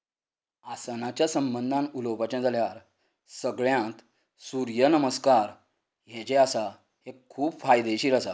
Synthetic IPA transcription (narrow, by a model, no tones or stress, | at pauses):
asənat͡ɕjasəmbənd̪ʱãnulowpat͡ɕãd͡zaljaɾ | səɡɭjãt̪ | suɾjənəməskaɾ | ɦet͡ɕeasa | hekʰuːbfajd̪eɕiːɾasa